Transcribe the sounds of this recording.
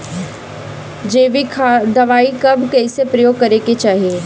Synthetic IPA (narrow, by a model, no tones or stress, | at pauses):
d͡ʒeːʋikʰad̪ɐʋaːikɐbkɛːsepɾɐjoːɡ̚kɐɾeket͡ʃaːɦieː